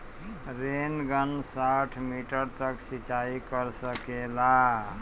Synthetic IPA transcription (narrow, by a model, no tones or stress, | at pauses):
ɾenɡənsaʈʰmiʈəɾt̪əksit͡ʃaikəɾsəkela